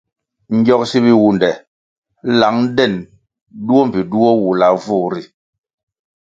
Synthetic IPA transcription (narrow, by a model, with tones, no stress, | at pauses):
ɲ̩˦ɟɔ˦k̚si˦βi˦wu˦ndɛ˨ | la˨˦ŋ˦dɛ˦˨n | du˦ɔ˦m˨pi˨du˦ɔ˦wu˨la˨vu˦˨ɾi˨